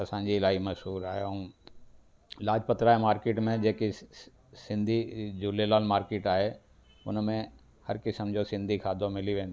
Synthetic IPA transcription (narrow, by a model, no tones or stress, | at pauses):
ɐsãd͡ʑiːlaːimɐsɦuːɾaːɦjoũ | laːd͡ʒpɐt̪ɾaːemaːɾkeːʈmẽd͡ʑeːki | sɪ̃nd̪ʱid͡ʑuːlelaːlmaːɾkeːʈaːɦe | ʊnmẽ | hɐɾkɪsəmd͡ʒʱosɪ̃nd̪ʱikʰaːd̪ʱõmɪliʋẽːnd̪